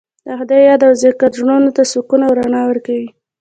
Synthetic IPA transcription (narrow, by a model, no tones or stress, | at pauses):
d̪axd̪ɑjɑd̪awzekad̪ɾununot̪asukunawɾanɑwəɾkawi